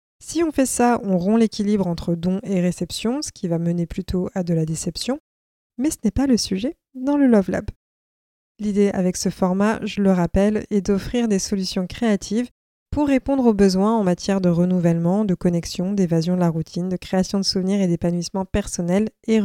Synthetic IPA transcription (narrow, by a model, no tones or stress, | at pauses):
siɔ̃fɛsaɔ̃ʁɔ̃lekʲilibʁɑ̃t̪χəd̪ɔ̃eʁesɛpsjɔ̃sə̥kʲivaməneplyt̪ʰoad̪əlad̪esɛpsjɔ̃ | mɛsənɛpaləsyʒɛ | d̪ɑ̃ləlɔvlɔ̰b | lid̪ea̰vɛksəfɔʁmaʒələʁapɛlɛd̪ɔfχiʁd̪esɔlysjɔ̃kχeat̪ʰiv | puʁːepɔ̃d̪ʁobəzwɛ̃ɑ̃mat̪jɛʁd̪əʁənuvɛlmɑ̃d̪əkɔnɛksjɔ̃d̪evazjɔ̃d̪əlaʁut̪ʰind̪əkχeasjɔ̃d̪əsuvniʁed̪epanwismɑ̃pɛʁsɔnɛle